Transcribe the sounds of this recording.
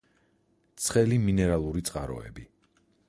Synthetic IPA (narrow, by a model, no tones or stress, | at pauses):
t̪sʰχɛliminɛɾalˠuɾit̪sʼqʼaɾɔ̰ɛ̰bi